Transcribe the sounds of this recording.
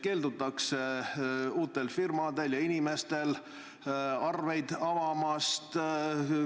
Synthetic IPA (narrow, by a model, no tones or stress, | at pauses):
ke̞ːld̪ut̪ːˑɑkse | uːt̪ːˑe̞lfirmɑd̪e̞ljɑinime̞st̪e̞l | ɑrve̞jd̪̥ɑvɑmɑst̪